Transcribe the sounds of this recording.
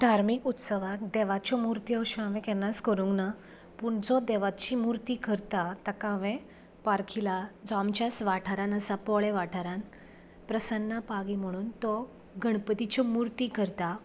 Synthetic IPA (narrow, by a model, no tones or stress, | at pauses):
d̪ʱaɾmikut̪səʋakd̪ɛʋat͡ɕɔmuɾt̪iɔɕaʋẽkɛnːaskəɾũŋɡna | puːɳd͡zɔd̪ɛʋat͡ɕimuɾt̪ikəɾt̪at̪akaʋẽ | paɾkʰilad͡zɔamt͡ɕasʋaʈʰaɾãnəsapɔɭɛʋaʈʰaɾan | pɾəsənːapaɡim̤əɽ̃uːnt̪ɔ | ɡʱəɳpət̪it͡ɕɔmuɾt̪ikəɾt̪a